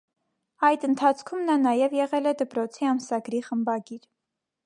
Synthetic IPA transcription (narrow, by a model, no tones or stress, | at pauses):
ɑjd̪ənt̪ʰɑt͡sʰkʰumnɑnɑjɛvjɛʁɛlɛd̪əpɾɔt͡sʰiɑmsɑɡɾiχəmbɑɡiɾ